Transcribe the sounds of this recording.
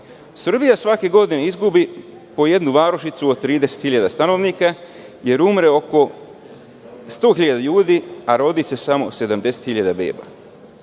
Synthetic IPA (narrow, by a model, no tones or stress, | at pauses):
sr̩bijasʋake̞ɡo̞d̪ineizɡubi | po̞je̞d̪nuʋaːɾoʃit̪suot̪̚t̪ːɾiːd̪eset̪xiʎad̪ast̪ano̞ʋniːka | je̞ɾumɾe̞o̞ko̞ | st̪o̞ːxiʎad̪aʎuːd̪iaɾo̞d̪ise̞samo̞̰se̞d̪amd̪e̞set̪xiʎad̪abḛːba̰